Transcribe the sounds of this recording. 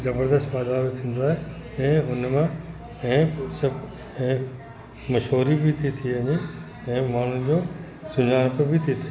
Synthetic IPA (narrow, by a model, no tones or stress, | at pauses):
zɐbəɾd̪əst̪ʋaːd̪aːɾot̪ʰĩːn̆d̪aːɦe | ɛ̃ːʊnmã | ɛ̃ːsɐ | ɛ̃ː | mɐʃoːɾibɪt̪ʰit̪ʰiɐɲe | ɛ̃ːmaːn̤ʊd͡ʑoː | sʊɲaːɽ̃pəbɪt̪ʰit̪ʰi